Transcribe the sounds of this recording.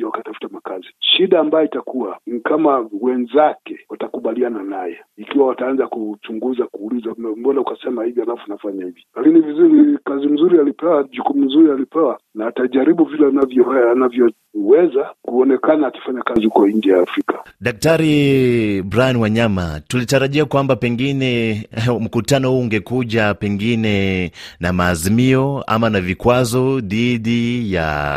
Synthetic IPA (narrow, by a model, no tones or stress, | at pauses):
wakatafu̥tamakaziʃiɗaːmbajɔitakuwanikamawɛnzakɛwatakuɓaliananajɛ̰ | ikiwawataanzakut͡ʃuŋɡuzakuːlizamɔnaukasɛmahivihalafunafaɲahivjilakinivizuɾikazim̩zuɾialipɛwaʄukumum̩zuɾialipɛwanaːtaʄaɾiɓuvilɛnavjɔanavjɔ | wɛzakuɔnɛkanaːki̥faɲakazihukɔind͡ʒɛjaːfɾikḁɗak̚taɾi | bɾajanwaɲamatulitaɾaʄiakwambapɛŋɡinɛm̩kutanɔhuːŋɡɛkuʄapɛŋɡinɛnamaːzimiɔa̰manavikwazɔðiɗija̰